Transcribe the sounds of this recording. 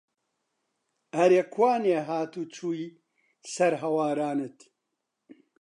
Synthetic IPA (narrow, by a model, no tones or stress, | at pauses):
ɐɾeːkʰwaːneːɦaːt̪uːt͡ʃʰuːi | sɐɾɦɐwaːɾaːnɨt̪